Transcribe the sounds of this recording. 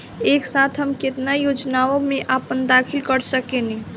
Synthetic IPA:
eːksaːt̪ʰɦəmkɪt̪najoːd͡ʒnaːõmẽʔaːpənd̪aːkʰɪlkəɾsəkeni

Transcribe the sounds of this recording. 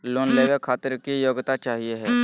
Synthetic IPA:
loːnleːʋekʰaːt̪əɾkijoːɡt̪at͡ʃaːɦieɦɛː

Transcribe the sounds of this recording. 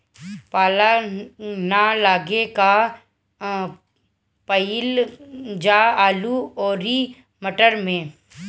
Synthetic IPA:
paːla | nalaːɡeka | pəil | d͡ʒaːaːluɔːɾi | məʈəɾmẽː

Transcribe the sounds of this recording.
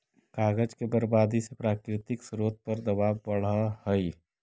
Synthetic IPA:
kaːɡəd͡ʒkebəɾbaːd̪isepɾaːkɾɪt̪ɪksɾoːt̪̚pəɾd̪əbaːbːəɽahəi

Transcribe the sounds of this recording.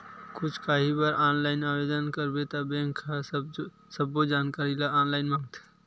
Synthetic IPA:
kʊt͡ʃʰkaːɦibəɾaːnlaːɪnabed̪ənkəɾbet̪abẽŋkʰa | səbːod͡ʒaːnkaːɾilaaːnlaːɪnmãːŋɡt̪ʰe̥

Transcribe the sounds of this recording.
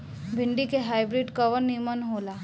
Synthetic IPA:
bʱɪɳɖikeɦaːjbɾiɖkɐʋənːimənɦoːlaː

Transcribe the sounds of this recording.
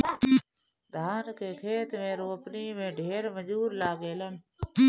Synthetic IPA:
d̪ʱaːnkeːkʰeːt̪mẽːɾoːəpniːmẽːɖʱeːɾməd͡ʒuːɾlaːɡeːlən

